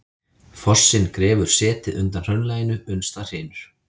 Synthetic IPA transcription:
fɔr̥sːɪnkɾɛːvʏɾ̥sɛːt̪ɪðʏnt̪anr̥œnlaːjɪnʏʏnst̪ar̥eːnʏɾ̥

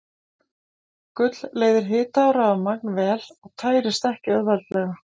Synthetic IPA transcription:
kʏt̪lleːjðɪɾ̥ɦɪːt̪aːwɾaamak̚nvɛːlaɣt̪ʰaːjɾɪst̪ɛhcɪœðvalt̪lɛɣa

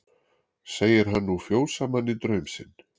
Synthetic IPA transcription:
seːjɪɾ̥ɦanːufjoːwsamanːɪt̪ɾœɥmsɪn

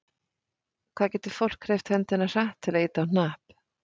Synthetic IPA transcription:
kʰv̥aðcɛːt̪ɪɾ̥fowl̥kʰːɾɛft̪hɛnt̪ɪnasaht̪ʰːɪlaiːt̪awnnaːhp

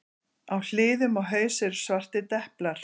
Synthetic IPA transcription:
awl̥ɪːðʏmaɣɦœːɥsɛɾsvar̥t̪ɪt̪ɛhplaɾ̥

